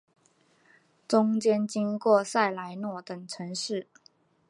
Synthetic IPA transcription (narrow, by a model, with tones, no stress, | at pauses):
ʈ͡ʂʊ˥ŋt͡ɕjɛ˥nt͡ɕi˥ŋkwɔ˥˨sa˥˩ɪla˧˥ɪnwɔ˥˩t̪ə˨˩ŋʈ͡ʂʰɤ˧˥ŋʂɻ̩˥˩